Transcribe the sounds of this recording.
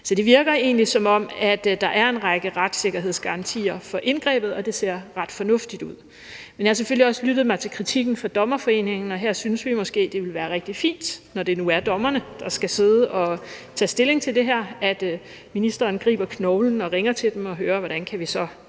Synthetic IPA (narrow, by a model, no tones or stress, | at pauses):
sɒ̽d̥e̝ʋiɐɡ̥ɐe̝̰ːnlisɒ̽mɒ̽m̰æd̥d̥ɑ̈ʔæɐe̝nʁɑɡ̥əʁɑ̈d̥se̝ɡ̥ɐɦe̝ð̰ˠsɡ̥ɑ̈ʁɑ̈nt͡sʰḭːɐfɒ̽ʔe̝nɡ̥ʁɛ̰ːb̥ð̞̩ˠɒ̽d̥e̝se̝ɐ̰ʁɑ̈d̥fɒ̽nɔ̽fd̥id̥uð̞̰ˠ | menjɑ̈hɑ̈seføliɒ̽slyɾ̥ð̩ˠmɑ̈ɪt͡sʰe̝lkʰʁit͡sʰiɡ̥n̩fɒd̥ɒ̽mɐfɒ̽e̝̰ːne̝ŋn̩ɒɦeɐ̰synəsʋimɒ̽sɡ̥e̝̰ːd̥e̝ʋe̝lʋæːɐʁeɡ̥̚d̥ifḭːnd̥nɒd̥e̝nuæɐd̥ɒ̽mɐnəd̥ɑ̈sɡ̥æse̝ð̞ˠəʔɒ̽t͡sʰɛ̰ːsd̥e̝le̝ŋt͡sʰe̝ld̥e̝ɦæɐ̰æd̥ | minisd̥ɐːnɡ̥ʁḭːb̥ɐkʰnɔʊln̩ɒ̽ʁeŋɐt͡sʰe̝ld̥emɒ̽ɦøːɐʋɒɾ̥ænkʰæʋisɒ̽